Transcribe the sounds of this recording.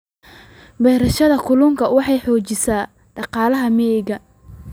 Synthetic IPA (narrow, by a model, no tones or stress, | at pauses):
bɛːɾɐʃɐðɐkʰʊlʊŋkʰɐwɑħɑjħɔːt͡ʃɪsaː | ɖ̥ɑqɑːlɐɦɐmɛɪɣɐ